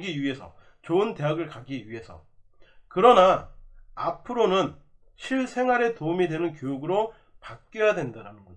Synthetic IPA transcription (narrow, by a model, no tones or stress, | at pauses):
ɡiɥiɦe̞sʰʌ̰ | t͡ɕoɯnte̞ɦaɡɯɭkaɡiɥiɦe̞sʰʌ̰kɯɾʌna | apʰɯɾonɯn | ɕʰiɭsʰe̞ŋwaɾe̞toumidwe̞nɯnk̬jojuɡɯɾo | pak̚k͈jojadwe̞ndaɾanɯnɡo